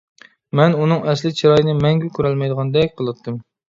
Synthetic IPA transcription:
mɛnunɨŋɛslɪt͡ʃʰiɾɑjnɨmɛŋɡʲɛkʲʰyɾɛlmɛjd̪əʁɑnd̪ɛkʲqʰəlˠɨt̪ʰːɨm

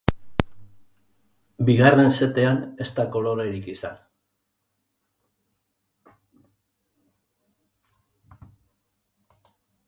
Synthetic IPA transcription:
biɣare̞nse̞t̪e̞ane̞st̪ako̞lo̞ɾeɾikisa̰n

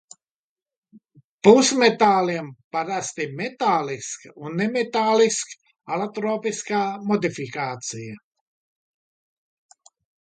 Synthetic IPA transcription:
pusmɛt̪aːliɛmpaɾast̪imɛt̪aːliskunɛmɛt̪aːlisk | alɛt̪ɾoːpiskaːmɔd̪ifikaːt͡siə

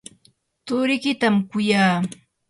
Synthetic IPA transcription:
t̪ʊɾɪkɪt̪amkʊjaː

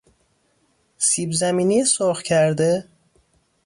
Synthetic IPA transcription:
siːbzæmiːnijesoːxcʰæɾd̪e

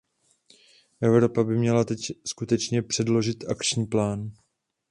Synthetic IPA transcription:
ʔɛvɾo̞pabɪmɲɛlat̪ɛcskut̪ɛt͡ʃɲɛpr̝̥ɛdlo̞ʒɪt̪akt͡ʃɲiːplaːn

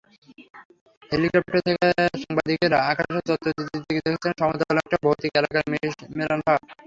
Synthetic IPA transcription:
helikɔp̚ʈaɾt̪ʰekeʃaŋbad̪ikeɾaakʰaʃet͡ɕɔtd̪ːod̪it̪ʰːit̪ʰːeked̪ekʰet͡ɕʰenʃɔmot̪akɔlek̚ʈaboot̪ikɛlakaɾmeɾanba

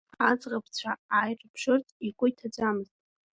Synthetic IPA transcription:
ad͡zʁap̚ʰt͡ɕʷʰaajrʼpʰʂɨrtʼikʷʼʊitʰad͡zʷamɨztʼ

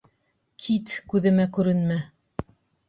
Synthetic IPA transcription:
kʰit̪kʉðɘ̆mækʉɾɘnmæ

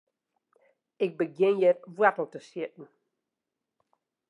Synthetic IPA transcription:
ɪk̚bəɡɪ̃njɛt̚vwɛtl̩ˠtəsjɪtn̩

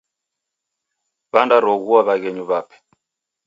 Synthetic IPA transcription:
βandaɾɔɣuaβaɣɛɲuβapɛ̥

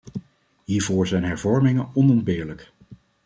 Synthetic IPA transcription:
ɦiːɹvoːɹzɛjnɦɛɹvɔɹmɪŋənɔnɔnbɪːɹlək

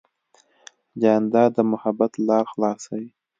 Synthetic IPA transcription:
d͡ʒand̪ɑd̪əmʊhabat̪lɑɾxlɑsawi

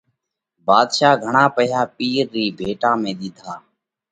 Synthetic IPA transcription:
baːd̪ʃaːɡʱəɳãːpəɦjaːpiːɾːiːbʱeːʈãːmẽːɗ̪ɪːd̪ʱʰaː

